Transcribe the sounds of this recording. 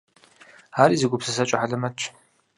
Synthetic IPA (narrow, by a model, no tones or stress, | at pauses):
aːɾiːzɨɡʷʊpsɨs̬ɐt͡ʃʼɐħaɮɐmɐt͡ʃʰʼ